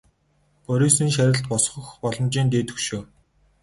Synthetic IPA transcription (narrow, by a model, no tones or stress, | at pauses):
pɔɾʲiːsiːnʃæɾʲɪ̆ɬt̪̚pɔsχɞ̆xpɔɮɞ̆mt͡ɕiːnt̪̬eːt̪ɵ̆kʃuː